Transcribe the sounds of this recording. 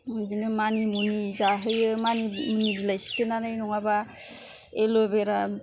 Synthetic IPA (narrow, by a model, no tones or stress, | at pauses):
muzinɯmanimunizaɦɯjɯmanimunibilajsi̥kenanajnɔŋaba | elobeɾa